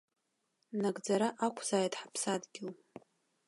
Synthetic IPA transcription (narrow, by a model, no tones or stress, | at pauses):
naɡʼd͡zaɾaʔakʷʰz̥aːjtʼħḁpʰsadɡʲɪl